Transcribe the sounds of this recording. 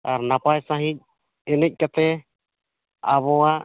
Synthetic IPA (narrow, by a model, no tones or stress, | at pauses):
aɾnapajsãɦic̚ | ɛnɛc̚ˀkat̪ɛ | aβɔa